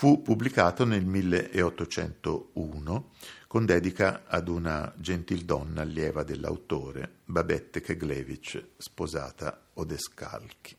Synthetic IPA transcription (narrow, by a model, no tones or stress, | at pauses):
fupːubːlikaːt̪onelmilːeʔeɔt̪ːot͡ʃɛ̰nt̪ouːnokond̪ɛːd̪ikaa̰d̪una̰d͡ʒent̪ild̪ɔnːaljɛːvad̪elːa̰wt̪oːɾḛbabɛt̪ːekeɡlɛːvit͡ʃspoza̰ːt̪a̰od̪eska̰lki̥